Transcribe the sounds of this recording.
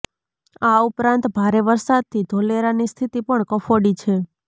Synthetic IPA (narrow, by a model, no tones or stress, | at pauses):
aupɾãnt̪bʱaɾeʋəɾsad̪̚t̪ʰid̪ʱoleɾanist̪ʰit̪ipəɳkəfoɽit͡ʃʰe